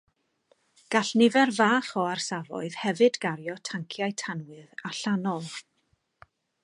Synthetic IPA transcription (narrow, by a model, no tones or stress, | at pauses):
ɡ̥aɬnɪvɛrvaːχɔarsavɔ̰ɨð̥hɛvɨdɡaɾjɔtʰaŋkʰjaɨtʰanwɨðaɬanɔlˠ